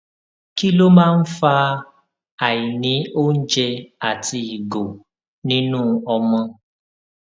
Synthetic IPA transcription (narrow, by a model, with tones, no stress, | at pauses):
ki˦lo˦mãː˦n̩˦fa˦ | a˨ji˨nĩ˨˦o˦n̩˦d͡ʒe˧a˨ti˧i˨ɡo˨ | nĩ˦nũː˦ɔ˧mɔ̃˧